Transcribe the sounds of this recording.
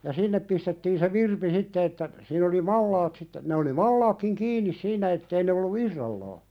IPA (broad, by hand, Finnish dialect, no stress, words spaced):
sinːep pistetːiːn se ʋirpi sitːe etːæ siːn oli mɑlːɑːt sitːe ne oli mɑlːɑːkːiŋ kiːnːis siːnæ etːei ne olːu irːɑlːɑː